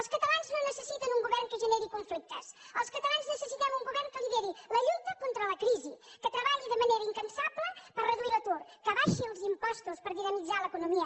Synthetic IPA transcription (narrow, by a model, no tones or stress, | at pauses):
əlˠskɐt̪ɐlanznõwnəsəsit̪ɐnuŋɡuβɛɾnkəʒənɛɾikuɱflik̚t̪əsəlˠskɐt̪ɐlanznəsəsit̪amuŋɡuβɛɾŋkəliðɛɾilɐʎut̪ɐkont̪ɾəlɐkɾizikət̪ɾəβaʎiðəmɐneɾɐiŋkɐnsaβləpərəðuilɐt̪oɾkəβaʃilˠzimpɔst̪uspəɾβiɣəmizaləkunumiə